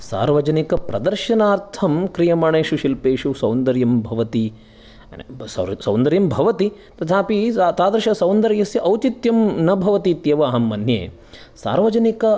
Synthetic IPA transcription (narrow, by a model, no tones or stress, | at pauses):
sa̰ːɾʋɐd͡ʒɐnikɐpɾɐd̪ɐɾʃɐnaːɾt̪ʰɐmkɾijɐmɐɳeːʃuʃilpeːʂusɐwnd̪ɐɾjɐmbʱɐʋɐt̪i | ssɐwnd̪ɐɾjɐmbʱɐʋɐt̪it̪ɐt̪ʰaːpit̪aːd̪ɐɾɐʃɐsɐwnd̪ɐɾjɐsjɐʔɐwt͡ʃit̪jɐmnɐbʱɐʋɐt̪iːt̪jɐʋɐɐɦɐmːɐnjḛː | sa̰ːɾʋɐd͡ʒɐnikɐ